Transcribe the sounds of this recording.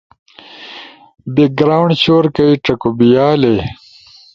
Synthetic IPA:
biɡɾaːwɳɖt͡ɕoːɾkɐiʈɐkobijaːle

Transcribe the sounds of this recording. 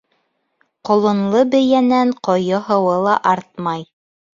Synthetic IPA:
qŏlˠɤ̆nlˠɤbɘ̆jænæɴqŏjɤ̆ɦɤ̆wɤlˠɑʔɑɾt̪̚mɑj

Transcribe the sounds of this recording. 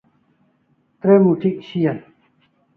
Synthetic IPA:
t̪ɾemuʈʰiʔɕijan

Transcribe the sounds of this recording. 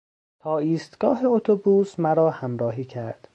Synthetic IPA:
t̪ʰɒːiːst̪ɡ̥ɒːɦeot̪ʰobuːsmæɾɒːhæmɾɒːɦiːcʰæɾd̪̥

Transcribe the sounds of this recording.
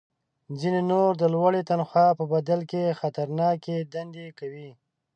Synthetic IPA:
d͡zinenoɾd̪əlwaɽet̪anxɑpəbad̪alkexat̪aɾnɑked̪and̪ekawi

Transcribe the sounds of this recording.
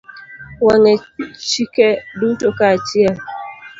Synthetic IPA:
waŋɛt͡ʃikɛdutokat͡ʃia

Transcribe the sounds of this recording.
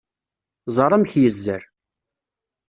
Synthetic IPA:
zˤɑɾˤæmçjəzːə̰ɾ

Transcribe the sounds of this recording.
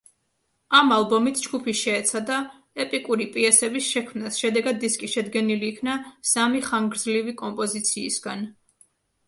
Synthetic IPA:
amalˠbɔmit̪ʰd͡ʒɡupʰiʃɛːt̪sʰad̪a | ɛpʼikʼuɾipʼiɛsɛbisʃɛkʰmnasʃɛd̪ɛɡad̪ːiskʼiʃɛd̪ɡɛniliːkʰnasamiχaŋɡɾd̪zlivikʼɔmpʼɔzit̪sʰḭːsɡan

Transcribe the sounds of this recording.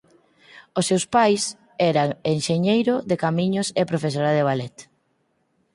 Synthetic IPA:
osːewspajs | ɛɾaŋeŋʃeɲejɾʊðekamiɲʊsepɾofes̬oɾaðeβ̞alɛt̪

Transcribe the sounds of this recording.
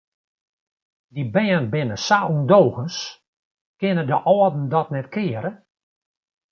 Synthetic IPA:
dibɛːənbɪnəsaʔundoːɣəns | kɪnədəʔɔːdn̩dɔtnɛtkɪːəɾə

